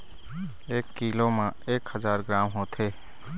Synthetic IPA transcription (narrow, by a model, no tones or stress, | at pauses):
eːkːiːloːmãeːkhəd͡ʒaːɾɡɾaːmɦoːt̪ʰeː